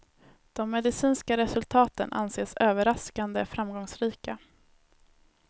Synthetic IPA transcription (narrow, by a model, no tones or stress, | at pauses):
d̪̥ɔmːɛd̪ɪsiːnskaɾɛsɵlt̪ʰɑːt̪ə̰nʔa̰nseːsøːvəɾaskand̪əfɾamɡɔŋsɾiːka